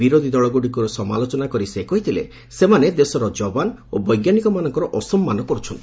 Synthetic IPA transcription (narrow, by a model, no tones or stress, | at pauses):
iɾod̪ʱid̪ɔɭɔɡoɽikuɾɔsɔma̰lot͡ʃɔnakɔɾisekɔɦit̪ʰilḛ | semaned̪esɔɾɔd͡ʒɔbanobɔjɡjanikɔmanɔŋkɔɾɔʔɔsɔmːanɔkɔɾut͡ʃʰɔnt̪i